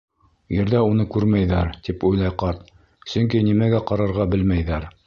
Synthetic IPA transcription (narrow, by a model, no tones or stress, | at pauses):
jɘ̆ɾðæunɤkʉɾmæjðæɾt̪ipujlˠɑjqɑɾt̪̚ | sɵ̆ŋk̬inimæɡæqɑɾɑɾʁɑbɘlmæjðæɾ